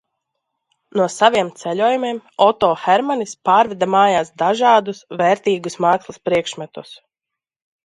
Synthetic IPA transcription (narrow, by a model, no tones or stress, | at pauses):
nuɔsaviɛmt̪sɛʎʲoːjumiɛmɔt̪ɔːxɛɾmanispaːɾvɛd̪amaːjaːsd̪aʒaːd̪usvɛːɾt̪iːɡusmaːkslˠaspɾiɛkʃmɛt̪us